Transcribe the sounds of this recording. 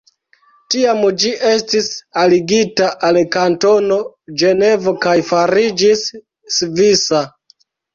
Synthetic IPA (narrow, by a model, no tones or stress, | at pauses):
tiamd͡ʒiʔe̞stisaliɡitaʔalkanto̞no̞d͡ʒe̞ne̞vo̞kajfaɾid͡ʒisː | visa